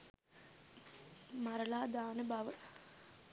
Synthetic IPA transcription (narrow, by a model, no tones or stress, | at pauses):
mɐɾɐlaːd̪aːnəbɐʋə